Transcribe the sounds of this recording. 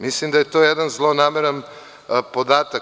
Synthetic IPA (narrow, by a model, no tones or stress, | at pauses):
mislimd̪ajet̪ojɛd̪anzlˠonameɾan | pod̪at̪a